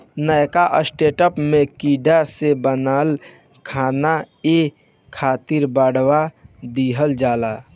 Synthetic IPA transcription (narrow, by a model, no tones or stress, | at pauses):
nəjkaʔəsʈeːʈəpmẽkiːɖasebənaːl | kʰaːna | e | kʰaːt̪ɪɾbaːɽwad̪iɦəld͡ʒaːlaː